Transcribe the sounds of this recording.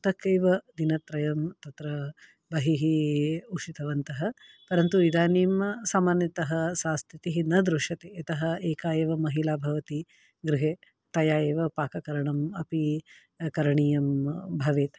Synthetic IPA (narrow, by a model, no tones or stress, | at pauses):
t̪ɐkɐjʋɐd̪inɐt̪ɾɐjɐmt̪ɐt̪ɾɐ | bɐɦiɦiuʂit̪ɐʋɐnt̪ɐɦɐ | pɐɾɐnt̪uid̪aːniːmsaːmaːnjɐt̪ɐɦɐsaːst̪ʰit̪iɦinɐd̪ɾuʂɐt̪eɐt̪ɐɦɐeːkaːjɐʋɐmɐɦilaːbʱɐʋɐt̪i | ɡɾɪɦeː | t̪ɐjaːjeːʋɐpaːkɐkɐɾɐɳɐmɐpi | kɐɾɐɳiːjɐmbʱɐʋeːt̪